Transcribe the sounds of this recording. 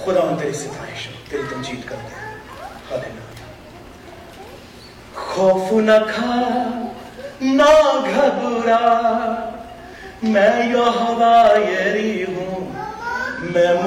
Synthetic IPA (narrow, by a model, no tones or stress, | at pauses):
xʊd̪aːʋɐ̃nt̪eːɾeset̪ʰa̰ːɦeːʃɐt̪eːɾit̪ɐmt͡ʃiːt̪kɐɾt̪ẽ | hɐd̪enaːja | xɔːfʰnɐkʰa | naɡʱɐbuɾaː | mɛ̃joɦɐʋaːjeɾiɦũː | mɛ̃m